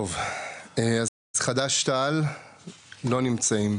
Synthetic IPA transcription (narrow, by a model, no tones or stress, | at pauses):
ovea | zχad̪aʃt̪al | lo̞nimt͡saim